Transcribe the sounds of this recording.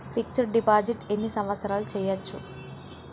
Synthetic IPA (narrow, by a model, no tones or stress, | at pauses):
fʰik̚t͡ʃɐɾɖipaːd͡ʒiʈe̞nːisɐmʋɐt̪sɐɾaːlut͡ʃɛːjɐt͡ʃːṵ